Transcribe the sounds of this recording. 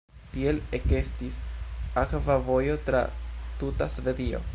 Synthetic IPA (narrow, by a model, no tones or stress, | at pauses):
tie̞leke̞stisakvavo̞jo̞tɾa̰tutasve̞dio̞̰